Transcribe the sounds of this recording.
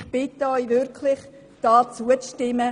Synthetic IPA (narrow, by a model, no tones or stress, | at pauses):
χb̥ɪt̪ːəɔʏvʏɾkʰlɪχ | d̥ɑːt͡suət͡sʃtɪmə